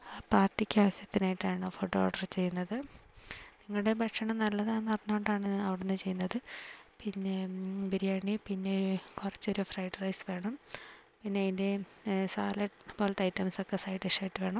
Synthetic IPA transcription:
paːrʈːikʲːaːʋɐsjɐt̪ːinaːjiʈːaːɳɨfoʈːooːɖɐrt͡ɕe̞jːunːɐðɨ | niŋːɐɭɨɽe̞bʱɐʈʂɐɳɐmnɐlːɐðaːnɐrɐnːuoɳɖaːɳɨɐʋiɽenːɨt͡ɕe̞junːɐðɨpinːe̞biɾijaːɳipinːekurɐt͡ɕːo̞ɾufrɐjʈrɐjsʋe̞ːɳɐm | pinːeðinde̞saːlɐʈpoːlɐt̪ɐjtːɐmso̞kːesaːjiʈːeʂaːjiʈːɨʋe̞ːɳɐm

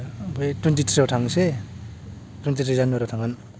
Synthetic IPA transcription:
bɯjtwentitʰɾiatʰaŋse | twentitʰɾizanoɾatʰaŋan

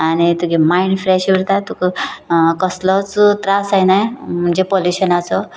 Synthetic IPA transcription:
añit̪uɡemaiɳɖfɾɛɕʋiɾt̪at̪ukekəslɔt͡st̪ɾasajnajm̤əɳd͡ʑepoluɕənat͡sɔ

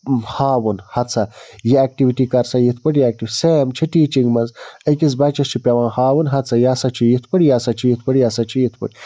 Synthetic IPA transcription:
haːwunhɐt̪t͡sʰɐjiaːk̚ʈiʋiʈikɐɾsɐjit̪ʰpəɽjaːk̚ʈiʋʲseːmt͡ʃʰiʈiːt͡ʃiŋɡmɐnzəkiz̬bat͡ʃɐst͡ʃʰipʲɐʋãːhaːwunɦɐt̪t͡sʰɐjaːsɐt͡ʃʰijit̪ʰpəɽijasɐt͡ʃʰijit̪̚ʰpəɽijasɐt͡ʃʰijit̪ʰpə̰ɽi

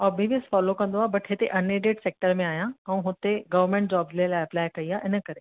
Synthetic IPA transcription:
ɔːbʱiʋjəsfɔːlokɐ̃nd̪oaːbɐʈʰɦet̪ḛʔɐneːɖeːʈseːk̚ʈəɾmẽaːɦijãɛ̃ũɦʊt̪eɡɐʋəɾmẽɳʈd͡ʑɔːbzlelaːɪɐplaːɪkɐiaːʔɪnə̆kɐɾe

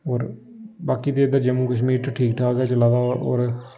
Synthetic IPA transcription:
oːɾ | baːkiːd̪eːəd̪ad͡ʒəmuːkəʃmiːɾt̪ːʈʰiːk̚ʈʰaːkɡaːt͡ʃəlaːd̪aːo̰ːɾ

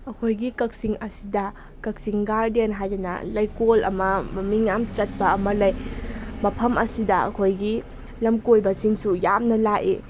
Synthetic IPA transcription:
ɐkʰojɡikɐk̚siŋɐsidɐ | kɐk̚siŋɡaɾdenɦajɾinɐ̰lɐjkolɐ̰mɐmɐmiŋjamt͡ʃɐt̚bɐɐmɐlɐjmɐpʰɐmʔɐsidɐɐ̰kʰojɡi | lɐmkojbɐsinsujamnɐlaʔḭ

